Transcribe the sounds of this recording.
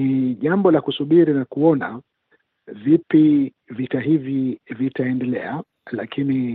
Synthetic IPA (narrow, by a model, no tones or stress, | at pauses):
iʄambɔlakusuɓiɾinakuɔna̰ | vipi | vitaɦivivitaɛndɛlɛ̰a | lakini